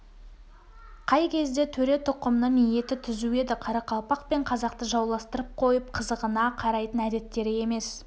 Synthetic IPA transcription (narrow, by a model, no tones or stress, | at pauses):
qʰɑjkʲʰe̞zd̪e̞t̪ʰɵɾe̞t̪ʰʊqəmnənije̞t̪ɪt̪ʰʏzue̞d̪ɪqʰɑɾɑqʰɑlˠpɑqpe̞ɴqʰɑzɑq̚t̪əʒɑwlˠɑst̪əɾəp̚qʰo̞jəp̚qʰəzəʁənɑqʰɑɾɑjt̪ənæd̪e̞t̪ːe̞ɾɪe̞me̞s